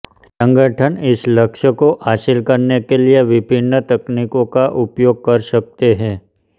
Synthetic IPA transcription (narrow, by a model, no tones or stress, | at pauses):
sə̃ŋɡəʈʰənɪsləkʃəkoʔaʃɪlkəɾnekelieʋɪbʱɪnːət̪əknikõkaʔʊpjoɡ̚kəɾʃək̚t̪eɦɛ